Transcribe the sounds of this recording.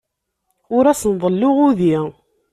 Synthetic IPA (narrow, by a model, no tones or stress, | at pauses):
ʊɾæsənðˤəlːʊʁʊði